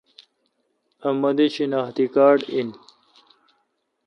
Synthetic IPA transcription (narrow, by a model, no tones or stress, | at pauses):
ɐmɐd̪eɕinaːht̪ikaːɽin